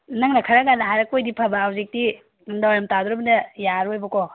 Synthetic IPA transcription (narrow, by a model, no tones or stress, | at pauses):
nɐŋnɐkʰɐɾaɡanɐɦajɾɐkojdipʰɐbaawzik̚di | dawɾamtad̪uɾɐbɐnɐjaɾojbɐko